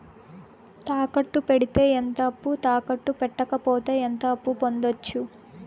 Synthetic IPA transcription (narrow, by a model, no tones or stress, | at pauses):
t̪aːkɐʈːupeɽit̪e̞ːent̪ɐːpːut̪aːkɐʈːupɛʈːɐkɐpɔːt̪eːent̪ɐːpːupo̞nd̪ot͡ʃːu